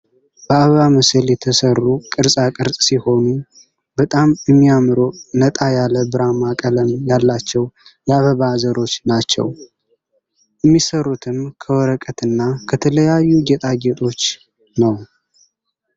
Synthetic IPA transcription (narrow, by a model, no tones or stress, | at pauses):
b̥əaβəβaməsəljɛt̪ʰəsərːukʼɨɾsʼakʼɨɾsʼsiho̞nu | bət̪ʼamjɛmːiamɨɾo̞nət̪ʼajaləbɨɾamakʼələmjalːat͡ʃːɛwjaβəβazəɾo̞t͡ʃːnat͡ʃːɛ̰w | jɛmːisərːut̪ʰɨmkʰəwɔɾəkʼət̪ɨnːakʰət̪ʰələjajːuɡet̪ʼaɡet̪ʼo̞t͡ʃː | nəw